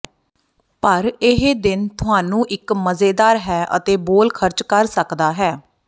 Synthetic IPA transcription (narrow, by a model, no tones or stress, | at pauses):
pəɾɪɦeːd̪ɪnt̪ʰʊɦaːnũːʔɪkməzeːd̪aːɾɦɛːʔə̰t̪eːboːlkʰəɾt͡ʃkəɾsəkd̪aːɦɛː